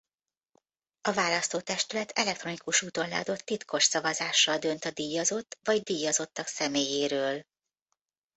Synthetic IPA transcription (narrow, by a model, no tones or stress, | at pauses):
ɒvaːlɒst̪oːt̪ɛʃt̪ylɛt̪ɛlɛk̚t̪ro̞nikuʃuːt̪o̞nlɛ̰ɒd̪o̞t̪ːit̪kʰo̞ʃsɒvɒzaːʃːɒld̪ø̞nt̪ɒd̪iːjɒzo̞t̪ːvɒɟd̪iːjɒzo̞t̪ːɒksɛmeːjeːɾøːl